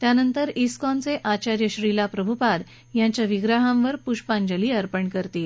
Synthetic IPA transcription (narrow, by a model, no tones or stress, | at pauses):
t̪janənt̪əɾiskɔnt͡seʔat͡ɕaɾjəɕɾilapɾəbʱupad̪ | jãɲt͡ɕjaʋiɡɾaɦãmʋəɾpuɕpãɲd͡ʑəliːəɾpəɳkəɾt̪i